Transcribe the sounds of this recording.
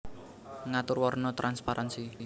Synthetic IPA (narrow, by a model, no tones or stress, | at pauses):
ŋat̪ʊrwɔrnɔt̪ɾʔanspaɾʔansi